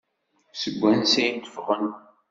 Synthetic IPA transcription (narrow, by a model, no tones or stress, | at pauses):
səɡʷːænsæjnt̪ə̥fʁən